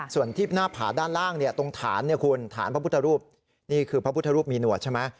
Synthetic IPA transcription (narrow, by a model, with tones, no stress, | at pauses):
su˨˩ənt̪ʰiː˥˩naː˥˩pʰa̰ː˩daː˥˩nlaː˥˩ŋni˥˩ət̪o˧ŋt̪ʰa̰ː˩˦nːi˥˩kʰu˧nt̪ʰa̰ː˩˦npʰa˦˥pu˥t̪ʰːa˧ɾuː˥˩p̚ | niː˥˩kʰɯː˧pʰa˦˥pʰu˥t̪ʰːɾuː˥˩p̚miː˧nu˨˩ət̪̚t͡ɕʰe˥˩ma˦˥